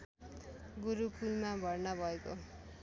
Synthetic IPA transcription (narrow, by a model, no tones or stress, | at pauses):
ɡuɾukulmabʱʌrnʌbʱʌeko̰